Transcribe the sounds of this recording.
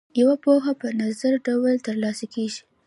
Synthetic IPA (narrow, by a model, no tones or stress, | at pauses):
jawapoxapənazaɾɖawəlt̪əɾlɑsakeʒi̥